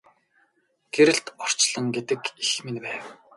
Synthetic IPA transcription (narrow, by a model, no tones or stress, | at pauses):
ɡ̥eɾɘ̆ɬt̪ɔr̥t͡ɕɮə̆ŋɡet̪ɘ̆kixmenpæːw